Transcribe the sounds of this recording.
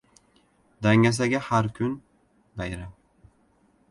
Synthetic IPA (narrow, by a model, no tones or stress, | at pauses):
d̪aŋːas̬aɡʲahaɾkʲʰʊn | b̪ajɾa